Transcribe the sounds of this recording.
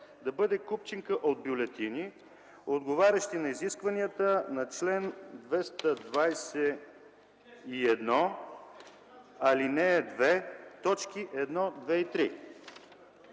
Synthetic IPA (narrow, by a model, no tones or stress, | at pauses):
d̪ɐbɤd̪ɛkupt͡ʃiŋkəʔod̪̚bjʊlɛt̪ini | od̪ɡovaɾʲɐʃt̪inɐiziskvɐniət̪ənɐt͡ʃlɛnd̪vɛst̪əd̪vajsɛ | iɛd̪nɔ | ɐlinɛd̪vɛt̪ɔt͡ʃk̟iʔɛd̪nɔd̪vɛit̪ɾi